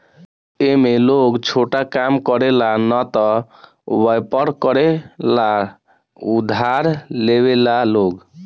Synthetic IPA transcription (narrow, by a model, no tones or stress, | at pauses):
emeloɡt͡ʃʰoʈakamkɔɾelanɔt̪ɔ | wəjpəɾkɔɾela | ud̪ʱaɾlewelaloɡ